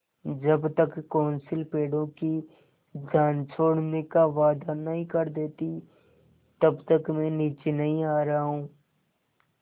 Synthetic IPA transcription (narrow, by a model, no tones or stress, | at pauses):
d͡ʒəbt̪əkːoːnsɪlpeːɽõki | d͡ʒʱjaːnt͡ʃʰoːɽnekaʋaːd̪anɐɦĩkəɾd̪eːt̪i | t̪ɐbt̪əkmɛ̃ːniːt͡ʃenɐɦĩaːɾaɦũː